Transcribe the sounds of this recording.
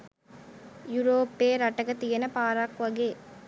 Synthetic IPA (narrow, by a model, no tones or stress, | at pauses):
jʊɾoːpːeːɾɐʈːɐɣɐt̪ijɐnɐpaːɾaːkʋɐɡeː